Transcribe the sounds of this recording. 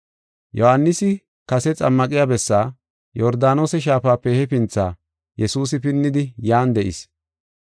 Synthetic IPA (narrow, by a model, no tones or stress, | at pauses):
jɔhanːɪsɪ | kɐsɛt͡sʼɐmːɐkʼɪjaːbɛsːaː | jɔɾd̪aːno̞ːsɛʃ̬aːfaːpːɛhɛpɪnt͡sːaː | jɛsuːs̬ɪpɪnːɪd̪ɪjaːnd̪ɛʔɪ̰s